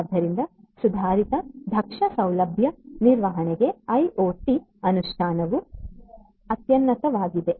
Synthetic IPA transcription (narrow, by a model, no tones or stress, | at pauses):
d̪ʱɐɾind̪ɐ | sud̪ʱaːɾit̪ɐd̪ʱɐkʂɐsɐwlɐbʱjɐniɾʋɐɦɐneɡe̞ɐjoːʈi | ɐnuʃʈʰaːnɐʋu | ɐt̪jɐnːɐt̪ɐʋaːɡid̪e